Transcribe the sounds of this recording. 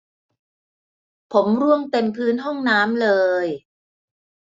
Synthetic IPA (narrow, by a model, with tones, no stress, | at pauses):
pʰo˩˦mɾu˥˩əŋp̪e˧npʰɯː˦˥nɦɔ˥˩ŋnaː˦˥mlɤː˧j